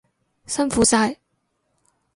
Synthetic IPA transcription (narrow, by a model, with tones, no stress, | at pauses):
sɐ˥nfuː˨˥saː˧j